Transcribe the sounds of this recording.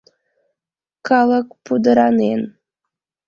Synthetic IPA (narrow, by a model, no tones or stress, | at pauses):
kɑlˠəkpud̪əɾanen